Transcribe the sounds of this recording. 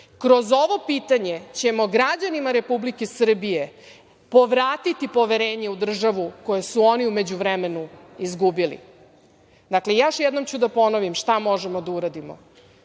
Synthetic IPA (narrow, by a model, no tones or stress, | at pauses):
kɾo̞zo̞ʋo̞piːt̪aɲe̞t͡ɕe̞mo̞ɡɾad͡ʑanimaɾe̞publikesr̩bije̞ | po̞ʋɾaːt̪it̪ipo̞ʋe̞ɾeːɲe̞ud̪r̩ʒaʋuko̞jesuo̞niume̞d͡ʑuʋɾɛme̞nuizɡubilḭ | d̪aklejaʃjɛd̪no̞mt͡ɕud̪apo̞noʋimʃt̪amo̞ʒemo̞d̪auɾad̪imo̰